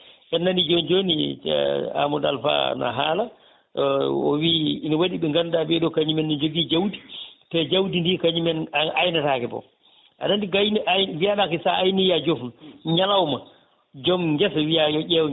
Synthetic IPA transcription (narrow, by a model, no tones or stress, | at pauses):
ʔɛnːanid͡ʒond͡ʒonḭ | a̰muda̰lfa̰na̰ɦaːla | ɔ̰wiːnɔwaɗiɓɛŋɡandabɛɗɔkaɲimɛnːid͡ʒoɡid͡ʒawti̥tɛd͡ʒawdindikaɲimɛnajnatakɛbɔ̰ | ʔa̰ɗandiɡajnʔawiaɗakɛsaajniiad͡ʒofnɲalawma | d͡ʒɔmɡɛswijajɔʔɛw